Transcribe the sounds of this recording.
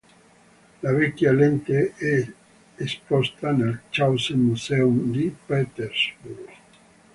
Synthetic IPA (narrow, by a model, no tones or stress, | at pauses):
laβɛkjalent̪eʔɛ | espɔst̪anelt͡ʃawsemuseumd̪ipet̪eɾzbuɾ